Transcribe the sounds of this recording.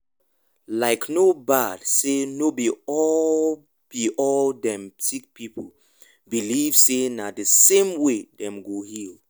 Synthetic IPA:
laɪknobad̥senobiɔl | b̥iʔɔldɛ̃msik̚pʰipʰol | biliv̥senadəsẽmwedɛ̃mɡohil

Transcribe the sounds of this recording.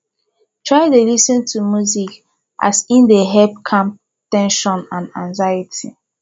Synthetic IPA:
tʰɹaɪdelisɔ̃ntʰumjuzik | ʔa̰sĩndeɦɛlp̚kʰãm | tɛ̃nʃɔ̃nãnãnzajitʰi

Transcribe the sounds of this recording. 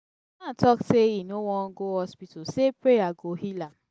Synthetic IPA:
natɔkseinowɔ̃nɡohɔspitosepɹejaɡohilãm

